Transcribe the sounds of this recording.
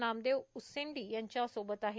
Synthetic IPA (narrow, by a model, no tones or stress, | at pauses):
naːmd̪eoʊsẽːɳɖijɐ̃nt͡ɕãsoːbət̪aːɦe